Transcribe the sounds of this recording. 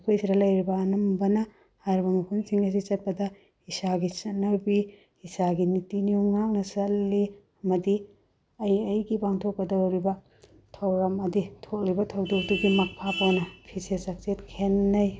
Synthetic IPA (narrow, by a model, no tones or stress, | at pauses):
kʰojsʰidɐlɐjɾibɐːnɐmbɐnɐ | hajɾbɐmɐpʰunsiŋɐs̬it͡ʃɐt̚pɐdɐ | isaɡit͡ʃɐnːɐwbi | isaɡinitiniuŋŋak̚nɐsɐlːi | ɐmɐdi | ɐjɐjɡibaŋtʰok̚pɐdɐwɾibɐ | tʰɐwɾɐmɐditʰok̚libɐtʰɐwduk̚duɡimɐk̚pʰapɐwnɐpʰisesɐk̚t͡ʃetkʰenːɐj